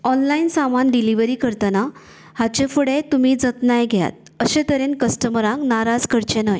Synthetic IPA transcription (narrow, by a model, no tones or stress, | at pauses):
ɔnlainsamanɖiliʋəɾiːkəɾt̪əna | hat͡ɕefuɽet̪umiːd͡zət̪najɡʱeja̰t̪̚ | əɕẽt̪əɾenkəsʈəmɾãknaɾad͡zkəɾt͡ɕenəj